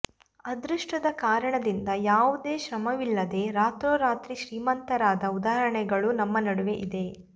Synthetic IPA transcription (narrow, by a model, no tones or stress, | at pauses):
ɐd̪ɾuʂʈɐd̪ɐkaːɾɐɳɐd̪ind̪ɐjaːʋud̪e̞ːʃɾɐmɐʋilːɐd̪e̞ːɾaːt̪ɾoːɾaːt̪ɾiʃɾiːmɐnt̪ɐɾaːd̪ɐud̪aːɦɐɾɐɳɛɡɐɭunɐmːɐnɐɽuʋeʔid̪e̞